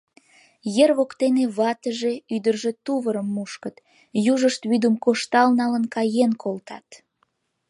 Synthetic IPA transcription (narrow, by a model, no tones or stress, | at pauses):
jerβokt̪eneβɑt̪əʒe̽yd̪ərʒet̪uβəɾəmːuʃkət̪ | juʒəʃt̪βyd̪umkoʃt̪ɑlnɑlənkɑjenkʰolt̪ʰɑ̰t̪